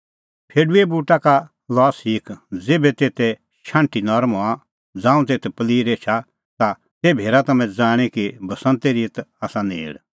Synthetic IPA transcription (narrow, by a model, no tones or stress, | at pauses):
pʰeːɖuebuːʈaka | lɔːsiːkd͡zeːbɛt̪eːt̪ʰɛ | ʃãːɳʈinɔɾmoã | d͡zãːũt̪eːt̪ʰɛpɐliːɾeːt͡ʃʰa | t̪a | t̪ebʱeːɾat̪ɐmɛ̃d͡zaːɽ̃ikibʱɐsə̃nt̪eɾiət̪aːsanḛːɽ